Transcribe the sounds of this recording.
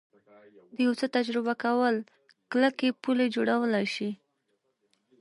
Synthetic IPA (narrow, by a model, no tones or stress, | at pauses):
d̪əjawt͡sət̪ad͡ʒɾɪbakawəl | kləkepuled͡ʒoɽawəlajʃi